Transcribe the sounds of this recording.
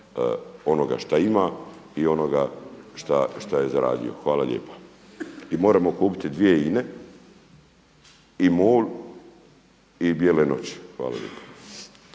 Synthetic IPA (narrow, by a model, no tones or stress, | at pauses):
o̞no̞ɡa̰ʃt̪aimaio̞no̞ɡaʃt̪aʃt̪aje̞zaɾa̰ːd̪ḭo̞̰xʋaːlaʎʲḛːpḁ | imo̞ːɾamo̞kuːpi̥t̪id̪ʋije̞ine̞ | imoːl | ibjelenoːt͡ɕxʋa̰ːla̰lḛːpḁ